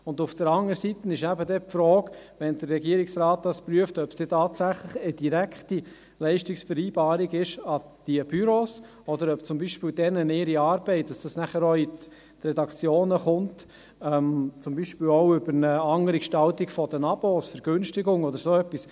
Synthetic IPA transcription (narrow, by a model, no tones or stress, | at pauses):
ʊndʊfd̥̪əɾɑŋəɾsit̪ənɪʃæbəd̪ɛpfɾɔːɡʋɛnd̪ərːɛɡiəɾiksɾɑːt̪̚d̥̪ɑspɾyəftœpsd̥ɛtɑːt̪sæχləχəd̥iɾækʰχti | lɛɪʃtɪksfəɾiːb̥ɑːɾiɡɪʃɑ | d̥iəb̥yɾos | ɔd̪əɾœpt͡sʊmbiʃpɪːldɛnəneːɾiɑːɾb̥ɛɪt̚d̥ɑsd̥ɑsnæχəɾɔit | ɾɛdɑkt͡sjoːnəχʊnt | ɛmt͡sʊmbiʃpiːlɔʊʏbəɾnəɑŋəɾikʃtɑlt̪ikfɔd̥̪ənɑb̥oːsfɛɾɡ̥ʏnʃtɪɡʊŋɔdəɾsoɛpːis